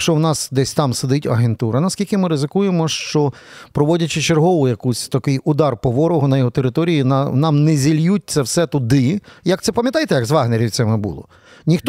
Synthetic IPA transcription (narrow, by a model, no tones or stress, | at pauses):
t͡ʃɔwnɑsd̪ɛsʲt̪ɑmsed̪ɪtʲɐɦent̪uɾɐnɐskʲilʲkɪmɪɾɪzɪkujemɔʃt͡ʃɔ | pɾɔʋɔdʲɐt͡ʃɪt͡ʃerɦɔʋʊjɐkusʲt̪ɐkɪjʊd̪ɑrpɔʋɔɾɔɦɔnɐjɔɦɔt̪eɾɪt̪ɔɾʲijinnɑmnɛzʲilʲjut̚ʲt͡sʲɐwsɛt̪ʊd̪ɪjɐk̚t̪sɛpɐmʲjɐt̪ɑjt̪ɛjɐɡzʋɑɦneɾʲiwʲt̪sɛmɛbṵlˠɔ̰ | nʲixt̪